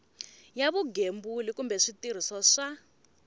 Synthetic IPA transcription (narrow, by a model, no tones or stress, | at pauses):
jaβuɡembulikumbɛʂitiɾ̤isɔʂa